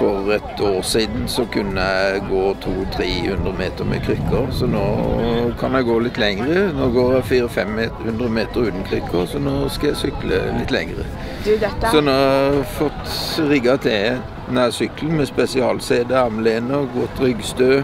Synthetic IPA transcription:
fɔʁɛt̪ʰoːʁsiːd̪n̩sɔkʰʉnːəæɪɡoːt̪ʰuːt̪ʰɾeːhʉnd̪ʁəmeːt̪əɾmɛ̰kʰɾʏkːəsɔnoːkʰɑnæɪɡoːlɪt̪lɛŋɾənoːɡoːɾæɪfiːɾɔfɛmːehʉnd̪ɾəmeːt̪əɾʉːt̪n̩kʰʁʏkʰːəsɔnoːskɑjæɪsʏklə̰lɪt̪ːlɛ̰ŋɾə̰ | sɔnɔæfɔt̪ʁɪɡɑt̪ʰɛ | næsʏkln̩mɛspɛsɪɑːlseːd̪əɑmleːnəɡɔt̪ɾʏɡst̪øː

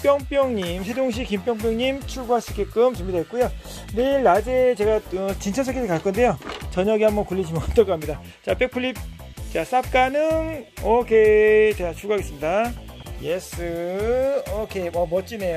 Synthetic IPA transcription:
p͈jʌŋp͈jʌŋɲimsʰe̞doŋɕ̬ʰikimpjʌŋp̬͈jʌŋɲimt͡ɕʰuɭɡuɦaɕʰik͈ek͈ɯmt͡ɕumidɦet̚k͈ujo | neiɭːad͡ʑet͡ɕe̞ɡaʌt͡ɕint͡ɕʰʌnsʰʌkʰetʰɯkaɭk͈ʌnde̞jot͡ɕʌɲʌɡihambʌnkuɭʎːid͡ʑʰimʌt͈ʌɡoɦamɲida | t͡ɕap͈ek̚pʰuɭːip̚ | t͡ɕas͈ap̚k͈anɯnʌkʰet͡ɕat͡ɕʰuɡuɦaɡes͈ɯmɲidajesʰɯ | okʰeʌmʌt͡ɕ͈ine̞jo

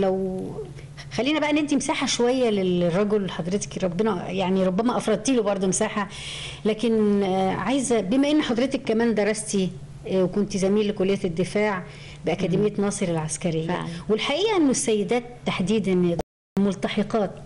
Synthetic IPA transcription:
læw | xælːiːnæbæʔenːʔent̪imsaːħaʃowæjːælerˤːɑɡolħɑd̪ˤɾet̪e̥kɾˤɑbːenæjaʕniɾˤobːæmæʔɑfɾˤɑd̪̚ˤt̪iːlobɑɾˤd̪ˤomesaːħa | læːkenʕajzæbemæʔenːiħɑd̪ˤɾˤet̪ɑkːæmæːnd̪ɑɾˤːɑst̪i | wekont̪izæmiːlːekolːejːæd̪ːefaːʕ | beʔækæːmd̪emejːænɑːsˤɨɾelʕaskæɾejːæ̰welħaʔiːʔæʔenːosːæjːed̪æːt̪ːaħd̪iːd̪æn | molt̪ɑħeqɑːt̪

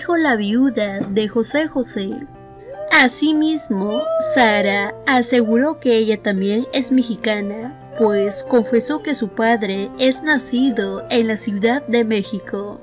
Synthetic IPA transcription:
xo̞laβjuðaðe̞xo̞se̞xo̞se | asimizmosaɾaase̞ɣuɾo̞ke̞eʝat̪ambje̞ne̞zme̞xikana | pwesko̞ɱfe̞so̞ke̞supaðɾe̞e̞znasiðoenlasjuðaðːe̞me̞xiko̞

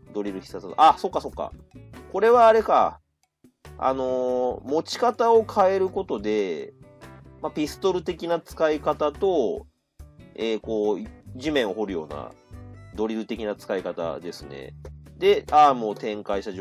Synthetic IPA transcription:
d̪o̞ɾʲiɾɯ̟çʲi̥sat͡sʔaso̞kːaso̞kːa̰ | ko̞ɾe̞βaːɾe̞ka | a̰no̞mo̞t͡ɕi̥kat̪ao̞kʰae̞ɾɯ̟ko̞t̪o̞d̪e̞ | mapʲisɨ̥t̪o̞ɾɯ̟t̪e̞kʲinat͡sɨ̥kaikat̪at̪o̞ | eːko̞ːʑimẽ̞ɰ̃oɦo̞ɾɯ̟jo̞̰ːna̰d̪o̞ɾʲiɾɯ̟t̪e̞kʲinat͡sɨ̥kaikat̪a̰d̪e̞sɨne̞̰d̪e̞amo̞ːt̪ẽ̞ŋkaiɕt̪aʑo

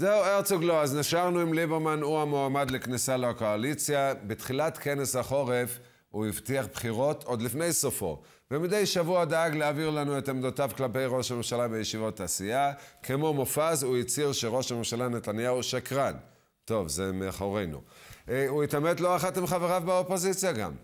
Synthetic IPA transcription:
zeueʁt͡suɡloazniʃaʁnuimlibeʁmanuamoamad̪leknisaleako̞alit͡sjabetχilatkʰe̞ne̞shaχo̞ʁe̞f | uivtiaχbχiʁo̞t̪ʰo̞d̪lifne̞jsofo̞̰ | bemid̪ejʃavuadaaɡleaviʁlanuetamd̪otavklape̞jʁo̞ʃhame̞mʃalavejeʃivot̪ːaːsiakʰemo̞mofazuit͡siʁʃeʁo̞ʃhame̞mʃalanet̪anjauʃakʁan | to̞vzemeaχoʁe̞jnṵuitamedlo̞aχatimχaveʁavbeopo̞zit͡sjaɡa̰m

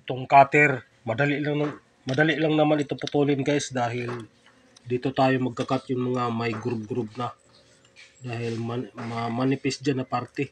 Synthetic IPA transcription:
ʔɪt̪oŋkaːt̪ɛɾ | mɐd̪alilaŋnɐŋ | mɐd̪aliʔlɐŋnɐmanɪt̪opɐt̪uːlɪnkasd̪aːɦɪl | d̪iːt̪ot̪aːjomɐɡ̚kɐkat̪̚jʊŋmɐŋamajɡɾup̚ɡɾup̚nɐ | d̪aːhɪlmamɐmanɪpɛsd͡ʒanɐpaɾt̪ɛ

